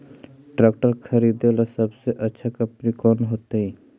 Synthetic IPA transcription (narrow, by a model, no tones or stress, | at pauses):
ʈɾɛːk̚ʈəɾkʰɐɾiːd̪elasɐbseʔɐtːʃʰakɐpɾikɔːnɦoːt̪aɦɛ̃